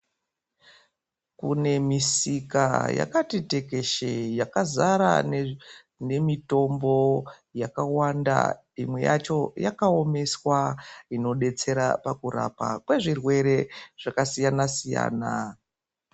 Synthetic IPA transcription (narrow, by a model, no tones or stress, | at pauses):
kune̞misika̰ja̰katite̞ke̞ʃejakazaɾa̰ | ne̞mito̞mbo̞ | jakawanda̰ | imwe̞̰ja̰t͡ʃo̞jakaome̞swaino̞ɗe̞t͡se̞ɾa̰pakuɾa̰pa̰kwe̞ʐirwe̞ɾe̞ʐ̥akasijanasija̰ːna